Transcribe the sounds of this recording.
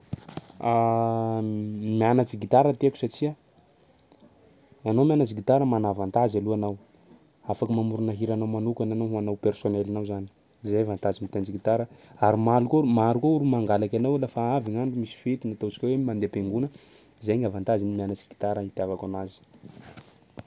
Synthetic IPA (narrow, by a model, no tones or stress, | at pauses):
a | mianat͡siɡit̪aɾət̪eku̥sat͡ʃia | anowmʲianat͡siɡit̪aɾəmanavant̪azaluanaw | afakəmamuɾunaɦiɾanawmanukʲananaɦuanawpersonelanawzani̥ | zajvant̪azimit̪eant͡siɡit̪aɾəaɾimalukomaɾukouɾumaŋɡalakʲanawlafaaviŋaɳɖ͡ʐumisi̥fet̪inat̪ot͡si̥kʲawemand̪epeŋɡunə | izajŋavant̪azinimianat͡si̥ɡi̥t̪aɾəit̪iavakanazi̥